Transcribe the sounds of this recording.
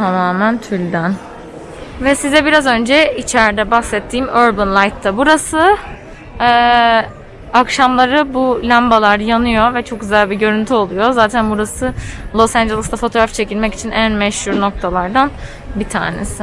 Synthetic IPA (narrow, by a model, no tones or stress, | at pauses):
t̪ʰamaːmænt̪ʰylʲd̪æn | vɛsizɛbiɾazø̞nd͡ʒɛit͡ʃʰæɾd̪ɛbaxsɛt̪ʰːiːmøɾbɯnlˠajt̪ʰːabuɾasɯ | akʃamlˠaɾɯbulʲambalˠaɾjanɯjo̞vɛt͡ʃʰo̞k̚ɟyzælʲbiɟø̞ɾynt̪ʰyo̞lˠujo̞zaːt̪ʰænbuɾasɯlˠo̞sænd͡ʒelˠisd̪afo̞t̪ʰo̞ːɾaft͡ʃʰe̞cilʲmɛci̥t͡ʃʰinʔænmɛʃhuɾno̞k̚t̪ʰalˠaɾd̪an | bit̪ʰa̰ːnḛsɪ